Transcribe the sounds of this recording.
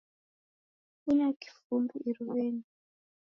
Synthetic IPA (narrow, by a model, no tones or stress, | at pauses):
unaki̥fumbiʔiɾuβeːni